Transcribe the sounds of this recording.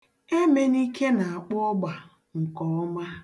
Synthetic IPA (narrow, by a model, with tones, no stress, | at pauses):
e˦me˨ni˦ke˦na˨a˨k͡pʊ˦ɔ˦ɡ͡ba˨ | ŋ̩˨kɔ˨ɔ˦ma˦